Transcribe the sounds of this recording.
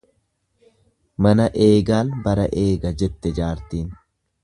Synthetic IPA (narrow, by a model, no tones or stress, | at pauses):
mɐnɐʔe̞ːɡaːnbɐɾɐʔe̞ːɡɐd͡ʒɛt̪ːɛd͡ʒaːɾt̪iːn